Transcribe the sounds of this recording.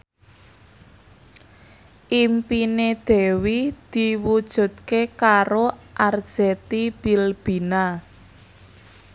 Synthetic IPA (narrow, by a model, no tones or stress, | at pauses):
ʔimpined̪̥ɛ̤wid̪̥iwud̥ʒ̥ṳd̪̥̚kekaɾoʔard̥ʒ̥ɛt̪ib̥ilb̥i̤na